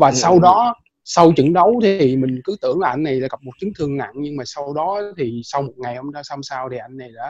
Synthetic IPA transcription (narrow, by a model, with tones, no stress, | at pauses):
vaː˨˩sa˧wɗɔ˨˦ | sa˧wt͡ɕɨ̰˧˩ŋɗə˨˦wt̪ʰi˨˩mï˨˩ŋ̟kɨ˨˦t̪ɨ̰˧˩˨əŋlaː˨ʔa˧ŋ̟na˨˩jlaː˧˩ɣa˨˩p̚mo˨˩t̚t͡ɕɨ˨˦ŋt̪ʰɨ˧əŋna̰˧˨nɲɨ˧ŋmaː˨˩sa˧wɗɔ˨˦˨t̪ʰi˨˩sa˧wmo˨˩t̚ŋa˨˩jhə˧ŋ͡mɗsa˧wsaː˧wt̪ʰi˨˩ʔa˧jŋ̟na˨˩jla̰ː˧˦